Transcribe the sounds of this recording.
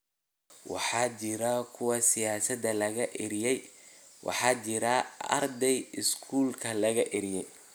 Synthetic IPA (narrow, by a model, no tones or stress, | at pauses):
wɑ̰ħɑːt͡ʃɪɾɐkʰʊwɐsɪjaːsɐd̪ɐlɐɣɐʔɪɾjɛj | wʔɑ̰ħɑːt͡ʃɪɾɐɐ̰rd̪ɛjɪskʰuːlkʰɐlɐɣɐʔɪɾɪjɛj